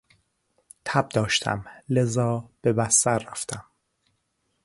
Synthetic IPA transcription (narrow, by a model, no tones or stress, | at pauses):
t̪ʰæb̚d̪ɒːʃt̪ʰæ̰mle̞zɒːb̥e̞bæst̪æɾːæft̪ʰæm